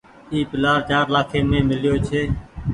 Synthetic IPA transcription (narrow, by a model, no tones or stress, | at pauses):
iːpɪlaːɾt͡ʃaːɾlaːkʰeːmẽːmɪljoːt͡ʃʰeː